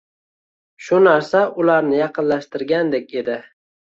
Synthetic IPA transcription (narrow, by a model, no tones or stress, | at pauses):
ʃʊnaɾsaʊlaɾnɪjɑqʰɨnlaʃt̪ɪɾɡʲand̪e̞k̚ʲe̞d̪ɪ